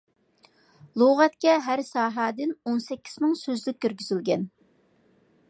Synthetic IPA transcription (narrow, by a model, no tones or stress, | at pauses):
lˠoʁɑt̪̚kʲɛɦæɾsɑːɦɑd̪ɪnonsɛkʲʰːi̥z̥mɪŋsøzlyk̚ʲkʲːøɾɡʲyzylɡʲɛn